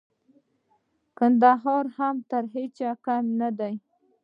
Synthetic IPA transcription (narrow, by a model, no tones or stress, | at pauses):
kand̪aɦɑɾhamt̪əɾɦet͡ʃakamnad̪aj